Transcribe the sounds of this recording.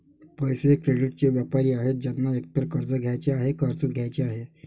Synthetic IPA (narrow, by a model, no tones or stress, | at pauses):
pəjsekɾeɽiʈ̚t͡ɕeʋjapaɾiːaɦet̪̚d͡ʑanːaek̚t̪əɾkəɾd͡zəɡʱjajt͡ɕeaɦekəɾt͡səɡʱjajt͡ɕeaɦe